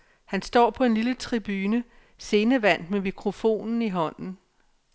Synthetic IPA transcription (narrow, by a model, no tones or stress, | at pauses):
hænsd̥ɒ̰ːpʰɒ̽e̝nlilət͡sʰʁib̥yːnə | se̝ːnəʋæn̰d̥memikʰʁo̝fo̝̰ːnn̩iɦɒ̽n̰n̩